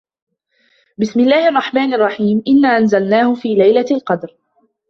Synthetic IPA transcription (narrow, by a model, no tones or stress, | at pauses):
bɪsmɪlːaːhɪʔɑrˤːɑħmaːnʔɑrˤːɑħiːmʔɪnːaːʔanzalnaːhʊfiːlajlalqɑd̪ɾ